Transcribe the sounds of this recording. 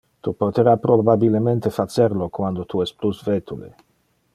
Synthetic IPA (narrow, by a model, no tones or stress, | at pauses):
t̪upot̪eɾapɾobabilement̪efat͡seɾlokwand̪ot̪ʰuɛst̪plusvet̪ulḛ